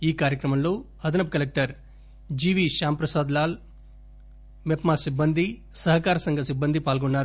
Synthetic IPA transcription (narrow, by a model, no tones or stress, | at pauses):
iːkaːɾjɐkɾɐmɐmlo̞ː | ɐd̪ɐnɐp̚kɐlek̚ʈɐɾ | d͡ʒiːʋiːʃaːmpɾɐsaːd̪laːl | mepmaːsibːɐnd̪i | sɐɦɐkaːɾɐsɐŋɡʱɐsibːɐnd̪ʱipaːlɡonːaːɾu